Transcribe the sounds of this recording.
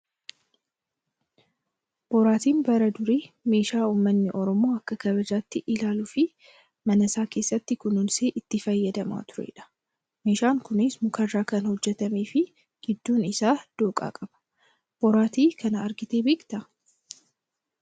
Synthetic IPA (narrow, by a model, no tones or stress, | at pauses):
b̥ɔɾaːt̪iːnbɐɾɐd̪ʊɾeːme̞ːʃaːuːmːɐnːɪʔɔɾɔmo̞ːɐkːɐɡɐbɐd͡ʒaːt̪ːɪʔɪlaːlʊfɪ | mɐnɐsaːke̞ːsːɐt̪ːɪkʊnʊnseːʔɪt̪ːɪfɐjːɐd̪ɐma̰ːt̪ʊɾḛᶑɐ̥ | me̞ːʃaːŋkʊnɪsmʊkʰɐrːaːkɐnhɔd͡ʒːɛt̪ɐme̞ːfɪ | ɡ̥ɪd̪ːuːnɪsaːd̪̥oːkʼa̰ːkʼɐb̥ɐ̥ | b̥ɔɾaːt̪iːkʰɐnɐːɾɡɪt̪e̞ːbeːkʼt̪ɐ